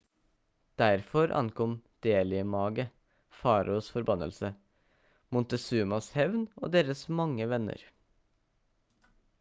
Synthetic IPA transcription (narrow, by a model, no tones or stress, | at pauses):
d̪̥æɾfɔɾʔɑ̰nkʰɔmd̪̥eːlɪəmɑːɡə | fɑːɾʊsfɔɾbɑnːə̰lsə | mʊnt̪əsʉːmɑshɛʋno̰ːd̪eːɾəsmɑŋːəʋɛnə̰ɾ